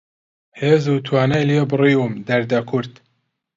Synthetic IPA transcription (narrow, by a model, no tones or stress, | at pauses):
heːzuːt̪ʰwaːnajlijebɨriːumd̪ɐɾd̪ɐkʰʊɾt̪